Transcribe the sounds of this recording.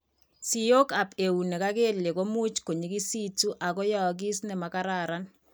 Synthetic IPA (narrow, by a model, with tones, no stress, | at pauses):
si˨jo˦ka˨pe˨u˨ne˨ka˦ke˦le˨ko˦mu˦t͡ʃko˨ɲi˨ki˦si˦tu˦ʔa˨kɔ˦jɔ˨k̬i˦snɛ˨ma˨ka˦ɾaɾan